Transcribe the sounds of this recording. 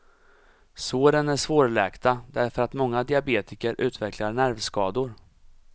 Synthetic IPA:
soːɾənæʂvoːɾɭɛːkt̪ad̪æɾfœɾat̪mɔŋːad̪ɪabeːt̪ɪkəɾʔʉ̟ːt̪vɛklaɾɳæɾvskɑːd̪ʊɾ

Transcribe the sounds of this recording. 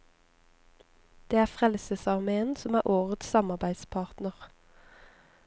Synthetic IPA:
d̪̥eːæːfʁɛlsəsɑʁmeːənsɔmæːʔoːʁət̪ssɑmɑʁbæɪd̪spʰɑːʁt̪nəʁ

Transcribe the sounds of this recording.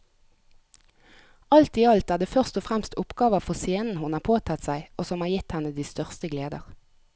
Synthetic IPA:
ɑlt̪iːɑlt̪æːʁd̪eːfœʁst̪ɔfʁɛmst̪ʊpɡɑːʋəfɔseːnn̩hʊnɑːpʰoːt̪ʰɑt̪sæɪoːsɔmhɑːʁjɪt̪hɛnəd̪iːst̪œʁst̪əɡleːd̪ə̰ʁ

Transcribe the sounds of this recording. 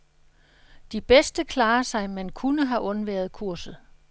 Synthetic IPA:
d̥ib̥esd̥əkʰlɑ̈ːɐsɑ̈ɪmænkʰunəɦæʔɔ̽nʋæɐð̩ˠkʰuɐ̰sð̩ˠ

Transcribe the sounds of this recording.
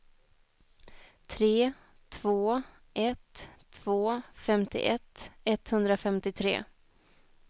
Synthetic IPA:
t̪ʰɾeː | t̪ʰvoː | ʔɛt̪ʰːv̥oːfɛmt̪ɪ̰ʔɛt̪ːɛt̪hɵnd̪ɾafɛmt̪ɪt̪ʰɾḛː

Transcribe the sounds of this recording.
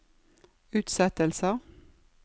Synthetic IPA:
ʉːt̪sɛt̪əlsə

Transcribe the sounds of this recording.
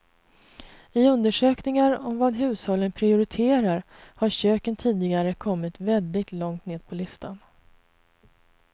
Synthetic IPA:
ɪɵnd̪əʂøːknɪŋaɾɔmvaːd̪ɦʉ̟ːshɔlːənpʰɾɪʊɾɪt̪ʰeːɾaɾ | haɾɕøːkənt̪ʰiːd̪ɪɡaɾəkʰɔmːɪt̪vɛld̪ɪɡ̚t̪lɔŋt̪neːd̪̚pʰɔlɪst̪ʰan

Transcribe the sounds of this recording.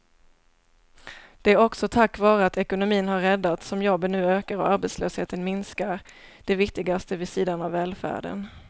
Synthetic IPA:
d̪̥ɛæɾɔksɔt̪ʰakːvɑːɾəat̪ʰɛkʊnʊmiːnhɦaɾːɛd̪ːat̪sɔmjɔbːənʉ̟ːøːkaɾɔaɾbeɛt̪slø̰ːsheːt̪ənmɪnskaɾ | d̪̥ɛvɪkt̪ɪɡast̪əvɪsiːd̪anavːɛːlfæ̰ːɖə̰n

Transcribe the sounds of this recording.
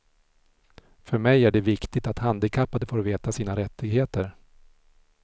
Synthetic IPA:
fœɾmɛjæɖɛvɪkt̪ɪɡ̚t̪at̪hand̪ɪkʰapːad̪əfoːɾveːt̪asiːnaɾɛt̪ʰːɪɡheːt̪əɾ

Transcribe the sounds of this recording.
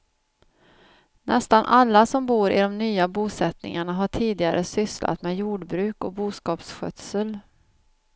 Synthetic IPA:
nʔɛst̪anʔalːasɔmbuːɾɪ̰d̪ɔmnyːabuːsɛt̪nɪ̰ŋaɳaɦaʈʰiːd̪ɪɡaɾʔəsʏslʔa̰t̪mɛjuːɖbɾʉ̟ːkɔbuːskɑːpsɧœ̰t̪səl

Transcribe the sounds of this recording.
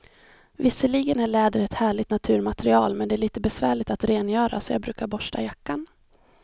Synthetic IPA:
vɪsːəliːɡənæɭɛːd̪əɾɛt̪hæːɭɪt̪nat̪ʰʉ̟ːɾmat̪ɾɪɑ̰ːlmɛnd̪ɛæːɭiːt̪əbɛsvæːɭɪɡ̚t̪at̪ɾeːnjœːɾa̰sɔjɑːɡbɾʉ̟ːkaɾbɔʂʈa̰jakːan

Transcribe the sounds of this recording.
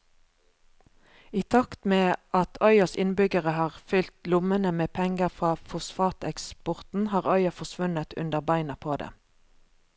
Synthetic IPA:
iːt̪ʰɑkt̪meːʔɑt̪ʰœʏɑsɪ̰nbʏɡəʁəhɑːʁfʏlt̪lʊmənəmeːpʰɛŋɡəʁfʁɑːfʊsfɑːt̪ɛkspʊʁt̪n̩hɑːʁœʏɑfɔsʋʉnət̪ʉ̰nd̪əʁbæɪnɑpʰoːd̪ḛː

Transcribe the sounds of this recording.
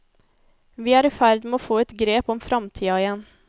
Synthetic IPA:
ʋiːæːɾɪfæɾd̪meoːfoːɛt̪ɡɾeːpɔmfɾɑmt̪ʰiːɑɪjɛn

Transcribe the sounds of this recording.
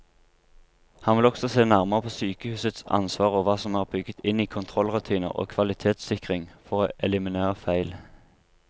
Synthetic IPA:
hɑnʋɪlɔksɔseːnæʁməʁəpʰoːsyːkəhʉːsət̪sɑ̰nsʋɑːʁoːʋɑːsɔmæːʁbʏɡət̪ʰɪniːkʰʊnt̪ʰʁɔlʁʉt̪ʰiːnə̰ʁo̰ːkʰʋɑlɪt̪ʰeːt̪sɪkʁɪŋfɔʁoːʔɛlɪmɪnæːʁəfæɪl

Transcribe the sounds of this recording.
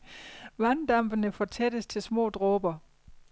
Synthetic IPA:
ʋænd̥ɑm̰b̥ənəfɒt͡sʰed̥əst͡sʰe̝lsmɔ̰̽ːd̥ʁɔːb̥ɐ

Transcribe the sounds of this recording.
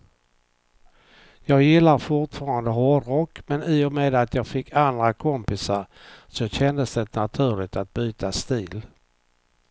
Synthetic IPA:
jɑːɡjɪlːaɾfʊʈfɑːɾand̪əɦɔɖɾɔkːmɛniːɔmeːd̪at̪jɑːɡfɪkʰːand̪ɾakʰɔmpɪsaɾ | sɔɕɛnd̪əsd̪ɛnat̪ʰʉ̟ːɭɪt̪at̪̚byːt̪ʰast̪iːl

